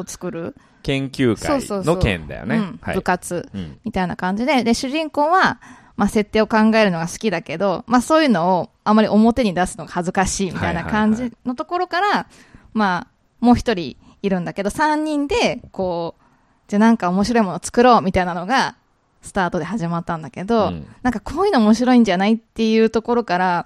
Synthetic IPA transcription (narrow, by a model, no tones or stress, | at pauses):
ot͡sɨ̥kɯ̟ɾɯ̟ | kẽ̞ŋkʲɨːskao̞ːsoːnokḛ̃nd̪a̰jo̰nẽ̟ɴha̰bɯ̟kat͡sɨmʲit̪ainakãɲ̟d͡ʑid̪e̞d̪e̞ɕɨʑĩŋko̞ːβa | mase̞t̪ːe̞ːo̞kãŋɡae̞ɾɯ̟no̞ɡasɨ̥kʲid̪ake̞d̪o̞maso̞ːjɯno̞ː | ãmːaɾʲiʔo̞mo̞t̪e̞ɲid̪asɨ̥no̞ɡahazɨkaɕiːmʲit̪ainakãɲ̟d͡ʑino̞t̪o̞ko̞ɾo̞kaɾa | ma | mo̞ːçʲi̥t̪o̞ɾʲḭː | ɾɯ̟̃nd̪ake̞d̪o̞sãɲ̟ːĩnd̪e̞ko̞ː | d͡ʑanãŋkao̞mo̞ɕiɾo̞imo̞noːt͡sɨ̥kɯ̟ɾo̞ːmʲit̪ainano̞ɡa | sɨ̥t̪aːt̪o̞d̪e̞haʑimat̪ːãnd̪ake̞d̪o̞nãŋkakʰo̞ːjɯnoːmo̞ɕiɾo̞ĩɲ̟d͡ʑanait̪ːe̞jɯ̟ːt̪o̞ko̞ɾo̞kaɾa